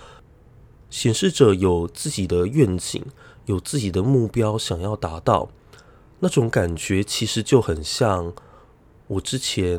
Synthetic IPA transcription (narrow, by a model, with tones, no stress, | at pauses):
ɕjɛ˨˥nʂɻ̩˥˩ʈ͡ʂɤ˨˩jo˨˩ʊt͡sɹ̩˥˩t͡ɕi˨˩d̪ə˦ɥɛ˥˩nt͡ɕḭ˨˦ŋjo˨˩ʊt͡sɹ̩˥˩t͡ɕi˨˩d̪ə˦mu˥˩pjɑ˥ʊɕjɑ˨˩ŋjɑ˥˩ʊt̪a˧˥t̪ɑ˥˩ʊ | na˥˩ʈ͡ʂʊ˨˥ŋka˨˩nt͡ɕɥɛ˧˥t͡ɕʰi˧˥ʂɻ̩˧˥t͡ɕjo˥˩ʊxə˨˩nɕjɑ˥˩ŋ | wɔ˨˩ʈ͡ʂɻ̩˦˥t͡ɕʰjɛ˧˥